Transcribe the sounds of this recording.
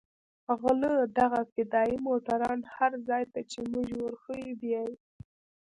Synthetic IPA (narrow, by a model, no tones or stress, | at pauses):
ɣləd̪aɣafɪd̪ɑjimoʈ̪aɾɑnhaɾzɑjt̪at͡ʃemʊʒwəɾxəibjaj